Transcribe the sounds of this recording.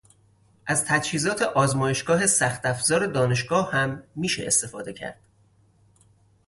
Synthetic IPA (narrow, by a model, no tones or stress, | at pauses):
ʔæzt̪ʰæd͡ʒhiːzɒːt̪ʰe̞ʔɒːzmɒːje̞ʃɡ̥ɒːɦe̞sæxt̪æfz̥ɒːɾe̞d̪ɒːne̞ʃɡɒːhhæmːiːʃḛʔḛst̪e̞fɒːd̪e̞cʰæ̰ɾd̪̥